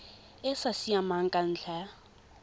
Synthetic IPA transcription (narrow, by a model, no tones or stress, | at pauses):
ɪsasiamaŋ̩kʼan̩ːɬʰa